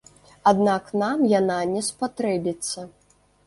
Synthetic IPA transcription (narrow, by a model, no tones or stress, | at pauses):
ad̪naknamjananʲɛspat̪ɾɛbʲit̪sːɐ